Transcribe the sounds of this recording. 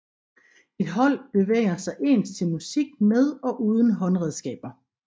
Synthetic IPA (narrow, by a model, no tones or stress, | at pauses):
ed̥ɦɒ̽l̰b̥e̝ʋḛːɐsɑ̈ɪʔe̝̰ːnst͡sʰe̝lmusiɡ̥með̞ˠɒ̽ʔuːð̞ˠən̩ɦɒ̽nʁɛð̞ˠsɡ̥ɛ̰ːb̥ɐ